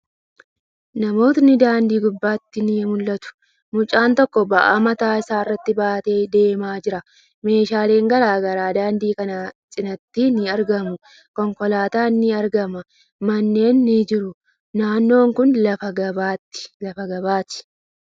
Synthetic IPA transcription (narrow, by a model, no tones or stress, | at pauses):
nɐmo̞ːt̪nɪd̪aːnd̪iːɡʊbːaːt̪ːɪnɪmʊlːɐt̪ʊ̥ | mʊt͡ʃʼːaːnt̪ɔkːɔbɐʔa̰ːmɐt̪aːɪsaːɪrːɐt̪ːɪbaːt̪e̞ːd̪e̞ːmaːd͡ʒɪɾɐ | me̞ːʃaːle̞ːŋɡɐɾaːɡɐɾaːd̪aːnd̪iːkɐnɐsʼɪnɐt̪ːiːnɪɐɾɡɐmʊ | kɔŋkɔlaːt̪aːnːɪɐɾɡɐmɐ | mɐnːe̞ːnːɪd͡ʒɪɾʊ | naːnːo̞ːŋkʊnlɐfɐɡɐbaːt̪ːɪ̥lɐfɐɡɐβaːt̪ɪ̥